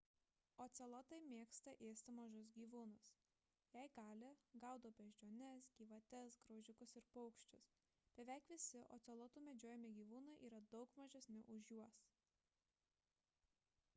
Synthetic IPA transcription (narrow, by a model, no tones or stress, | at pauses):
oːt̪sʲɛlˠɐt̪ɐɪmʲeːkst̪ɐʔeːsʲt̪ʲɪmɐʒʊs̬ɡʲiːʋuːnʊs | jɛɪɡɑːlʲɪɡɑˑʊd̪oːbʲɛʒʲd͡ʒʲoːnʲɛsɡʲiːʋɐt̪ʲɛsɡɾoʊʒʲɪkʊsɪɾpɔʊkʃʲt͡ʃʲʊs | b̥ʲɛʋʲɛˑɪkʋʲɪsʲɪʔoːt̪sʲɛlˠɐt̪uːmʲɛd͡ʒʲoːjɛmʲɪɡʲiːʋuːnɐɪʔiːɾɐd̪ɒʊkmɐʒʲɛsʲnʲʊʔʊʃjuɔs